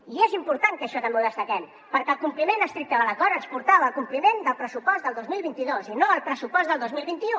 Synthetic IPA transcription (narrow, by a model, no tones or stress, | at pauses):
iezimpuɾt̪aŋkəʃɔt̪əmbeuðəst̪əkɛm | pəɾkəlˠkumplimenəst̪ɾik̚t̪əðələkɔɾənspuɾt̪aβəːlˠkumplimend̪əlˠpɾəsupɔzd̪əlˠd̪ozmilˠβint̪iðozinoəlˠpɾəsupɔzðəlˠozmilˠβint̪iu